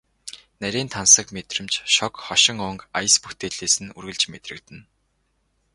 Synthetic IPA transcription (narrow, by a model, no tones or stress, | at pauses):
næɾʲiːnt̪ʰansə̆kmet̪rɘ̆mt͡ɕʃɔkχɔʃɪ̆ŋʊŋkajə̆sput̪ʰeːɮeːsɘ̆nurɣɘ̆ɮt͡ɕmet̪rɘ̆kt̪ɘ̆n